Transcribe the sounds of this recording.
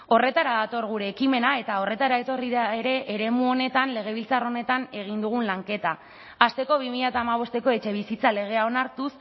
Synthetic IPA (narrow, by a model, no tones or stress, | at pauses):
o̞re̞t̪aɾaðat̪o̞ɾɣ̞uɾe̞ːkime̞nae̞t̪ao̞re̞t̪aɾae̞t̪o̞riðaeɾe̞ʔːɾe̞muo̞ne̞t̪anle̞ɣ̞e̞β̞ilt͡saro̞ne̞t̪ane̞ɣ̞ind̪uɣ̞unlaŋke̞t̪aː | st̪e̞ko̞β̞imiʎat̪aːmaβ̞o̞st̪e̞ko̞e̞t͡ʃe̞β̞isit͡sale̞ɣ̞e̞ao̞naɾt̪us